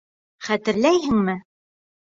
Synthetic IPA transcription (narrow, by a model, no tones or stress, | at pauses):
χæt̪ɘ̆ɾlæjɦɘ̆ŋmɘ